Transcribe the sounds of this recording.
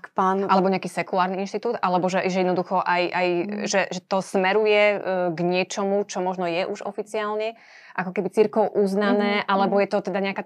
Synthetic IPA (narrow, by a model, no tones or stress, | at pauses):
kpaːnʔalɛbɔɲɛakiːsɛkulaːɾniinʃt̪it̪uːd̪ʔalɛbɔʒɛʒɛjɛd̪nɔd̪uxɔʔajʔajʒɛʒɛt̪ɔsmɛɾujɛɡɲɪɛt͡ʃɔmut͡ʃɔmɔʒnɔjɛʔuʒɔ̰fit͡siaːlɲɛ | ʔakɔkɛbit͡siɾkɛʊʔuznanɛːʔalɛbɔjɛt̪ɔt̪ɛd̪aɲɛaka